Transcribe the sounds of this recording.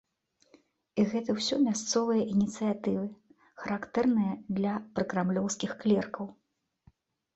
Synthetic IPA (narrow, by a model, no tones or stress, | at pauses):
iɣɛt̪ɐwsʲɔmʲast̪sɔvɨjɐʔinʲit̪sɨjat̪ɨvɨ | xɐɾakt̪ɛrnɨjɐd̪lʲɐpɾɨkɾamlʲɔwskʲixklʲɛrkɐw